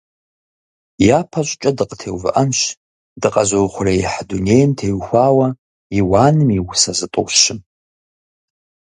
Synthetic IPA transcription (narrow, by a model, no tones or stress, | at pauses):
japʰaɕʷʼt͡ʃʼadɨqʼətʰewvɨ̰ʔamʃ | dɨqʼazowχʷʊrajiħdunejmtʰeɥxʷaːwa | iwaːnɨmiwʊsazɨtʼo̰wʃɪm